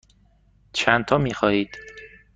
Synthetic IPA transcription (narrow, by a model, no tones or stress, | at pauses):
t͡ʃʰænt̪ʰɒːmiːxɒːhiːd̪̥